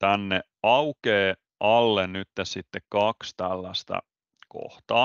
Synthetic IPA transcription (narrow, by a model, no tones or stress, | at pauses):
t̪ænːe | ɑukeː | ʔɑlːennyt̪ːessit̪ːekkɑkst̪ælːæst̪æ̰ | ko̰ht̪ɑː